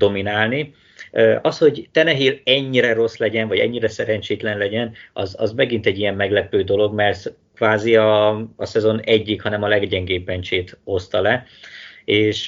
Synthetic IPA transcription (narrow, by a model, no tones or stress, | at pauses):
d̪o̞minaːlni | øʔɒsho̞ɟt̪ɛnɛɦilɛɲːiɾɛɾo̞slɛɟɛnvɒɟɛ̰ɲːiɾɛsɛɾɛɲt͡ʃeːt̪lɛnlɛɟɛnɒzɒ̰zmɛɡint̪ɛɟːijɛmːɛɡlɛpøːd̪o̞lo̞ɡmɛrt̪ | kʋaːziɒːsɛzo̞nɛɟːikhɒnɛmɒlɛɡɟɛŋɡeːbːɛnt͡ʃeːt̪o̞st̪ɒlɛ | eːʃ